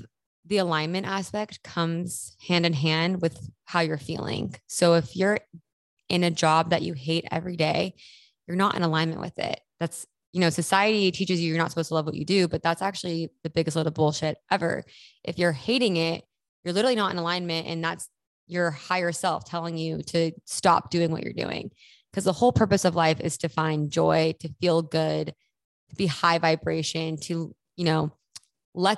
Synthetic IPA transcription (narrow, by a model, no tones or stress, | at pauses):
ðiəlãɪ̃nmɨ̃ntæspɛk̚t̚kʰʌ̃mz̥hæ̃ndɨ̃nɦæ̃nd̚wɨð̥haʊjə˞fḭlˠɪ̰̃ŋsoʊɪfjə˞ | ɨ̃nɨd͡ʒɑb̚ðɨ̰t͡ʃɨɦeɪɾɛ̰vɹideɪ | jə˞nəɾʔɨ̰̃nəlãɪ̃nmɨ̰̃nʔwɨ̰ðɪ̰t̚ðæts | jɨnoʊsɨsaɪɨɾitʰit͡ʃɨzjɨjə˞nətsə̥pʰoʊstəlʌvwʌt͡ʃɨ̰dʉbʌt̪̚ðætsæk̚t͡ʃʉl̩ˠiðɨbɪɡɨstlɪɾl̩ˠbʊlˠʃɪɾʔɛvə̰˞ʔɨfjə˞heɪɾɪ̃ŋɪt̚ | jə˞lɪɾə˞l̩ˠinəɾɨ̰̃nəlãɪ̃nmɨ̃ntɨ̰̃nðæts | jə˞haɪə˞sɛlˠftʰɛlˠɪ̃ŋjʉɾɨstɑ̰p̚d̥ʉɪ̃ŋwʌ̰t͡ʃə̰˞dʉ̰ɪ̰̃ŋ | kʰʌzðəhoʊlˠpʰɜ˞pɨsʌvlaɪfɨ̰z̥tʰɨfãɪ̃nd͡ʒɔɪɾɨfilˠɡʊd̥̚ | tʰɨbihaɪvaɪbɹeɪʃɨ̃ntʰɨ | jɨnoʊ | lɛ